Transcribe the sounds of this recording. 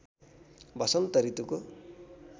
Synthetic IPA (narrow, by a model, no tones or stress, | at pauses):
bʱʌsʌnt̪ʌɾit̪uko